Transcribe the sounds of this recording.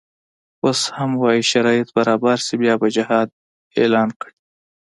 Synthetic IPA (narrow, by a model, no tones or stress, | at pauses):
oshamwɑjiʃaɾɑjɪt̪̚baɾɑːbaɾsibjɑbad͡ʒɪhɑd̪̚ | ḛlɑnkɽi